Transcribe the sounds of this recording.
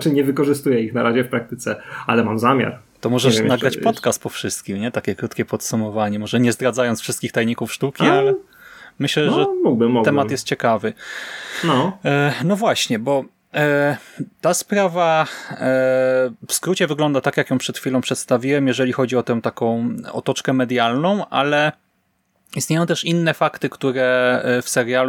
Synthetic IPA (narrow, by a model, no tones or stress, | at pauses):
t͡ʂɘɲɛvɘkɔʐɘst̪ujɛixnaɾaʑɛfpɾak̚t̪ɘt̪sɛalɛmamzamʲja̰ɾ | t̪ɔmɔʐɛnaɡɾat͡ɕpɔt̪kast̪̚pɔfʂɘst̪̚kʲimɲɛt̪akʲɛkɾut̪kʲɛpɔt̪sumɔvaɲɛmɔʐɛɲɛzd̪ɾad̪zajɔnt̪fʂɘst̪kʲixt̪ajɲikufʂt̪ukʲialɛ | mɘɕlɛʐɛmuɡbɘmːuɡ̪t̪ɛmat̪jɛst̪̚t͡ɕɛkavɘ | nɔnɔvwaɕɲɛbɔ | t̪aspɾava | fskɾut͡ɕɛvɘɡlɔnd̪at̪akjakjɔ̃w̃pʂɛt̪xʲfʲilɔ̃w̃pʂɛt̪st̪avʲiwɛmjɛʐɛlʲixɔd͡ʑiɔt̪ɛ̃w̃t̪akɔ̃w̃ɔ̰t̪ɔt͡ʂkɛmɛd̪jalnɔ̃w̃ʔa̰lɛ | ist̪ɲejɔ̃w̃t̪ɛʂinːɛfakt̪ɘkt̪uɾɛfsɛɾjal